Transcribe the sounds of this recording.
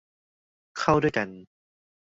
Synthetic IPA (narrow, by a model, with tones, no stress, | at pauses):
kʰa˥˩wdu˥˩jka˧n